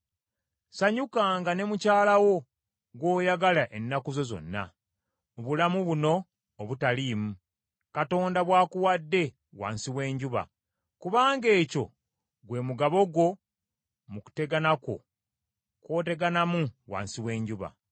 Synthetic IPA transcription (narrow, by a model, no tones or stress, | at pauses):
saɲukaːŋɡane̞mucaːlawo̞ | ɡwo̞ːjaɡalaʔe̞nːakuzo̞zo̞̰nːa̰ | oβulamuβuno̞ː | βutaliːmu | kato̞ːndaβwaːkuwadːe̞ | wa̰ːnsiwe̞ːɲɟuβa̰ | kuβaːŋɡe̞ːco̞̰ | ɡwe̞ːmuɡaβo̞ɡo̞ | muku̥te̞ɡanako̞̰ | kwo̞ːte̞ɡanamuwa̰ːnsiwe̞ːɲɟuβa̰